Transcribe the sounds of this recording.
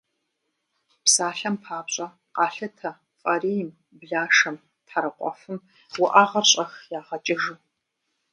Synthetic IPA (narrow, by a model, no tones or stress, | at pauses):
psaːɬɐmpʰaːpɕʼɐ | qɑːɬɐtʰɐ | fʼɐɾiːjm | bɮaːʂɐm | tħaɾɐqʷʼɔ̰fɨm | wʊʔaːʁɐrɕʼɐxjaːʁɐt͡ʃʼɪʒɨ